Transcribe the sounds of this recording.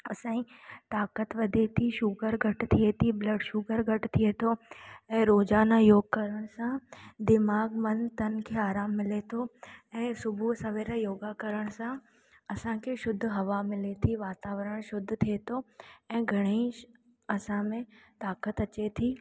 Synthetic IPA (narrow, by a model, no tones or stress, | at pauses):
ɐsãːĩt̪aːkət̪ʋɐd̪ʱet̪ʰiʃuɡəɾɡʱɐʈt̪ʰiet̪ʰiblɐɖʃʊɡəɾɡʱɐʈt̪ʰiet̪ʰoɛ̃ːɾoːd͡ʒaːnajoːɡ̚kɐɾəɽ̃sãd̪ɪmaːɡmɐnt̪ɐnkʰeaːɾaːmːɪlet̪ʰoɛ̃ːsʊbʱusɐʋeːɾajoːɡakəɾəɽ̃sã | ɐsãkʰeʃʊd̪ʱɦɐʋamɪlet̪ʰiʋaːt̪aːʋɾəɽ̃ʃʊd̪ʱːt̪ʰiet̪ʰoɛ̃ːɡʱɐɽ̃ei | ɐsãmẽt̪aːkət̪ɐt͡ɕet̪ʰiː